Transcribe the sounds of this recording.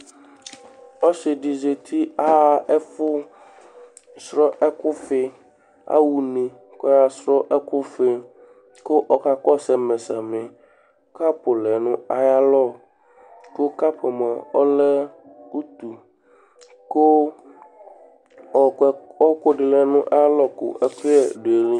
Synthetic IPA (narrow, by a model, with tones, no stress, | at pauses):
ɔ˦sɪ˨ɖi˨ze˨t̪ʰi˦a˦˨ɛ˦fʊ˦ | sɾɔ˦ʔɛ˦kʊ˦fɪ˦ | a̰˦wu˨nĩ˨ | kɔ˦ja˦sɾɔ˦ʔɛ˦kʊ˦fɪ˦ | ko˦ʔɔ˦ka˦kɔ˦sɛ˨me˨sa˨me˨ | ka˦pʊ˨lɛ˨nʊ̃˦a˦ja˦lɔ˦ | ko˦ka˦pe˨mɔ̃˨ɔ˦lɛ˦ | u˦t̪u˨ | ko˦˨ | ɔ˦ko˦ɖɪ˨lɛ˨nũ˦ʔa˦ja˦lɔ˦kʊ̰˨ʔɛ˦ɸe˦ɛ˨ɖe˨li˦